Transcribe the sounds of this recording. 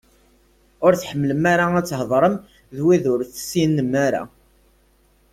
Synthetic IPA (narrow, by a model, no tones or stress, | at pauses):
ʊɾθħəmːləmaɾaæt͡sːhəðˤɾˤəm | ðwiðʊɾθsinːəmaɾa̰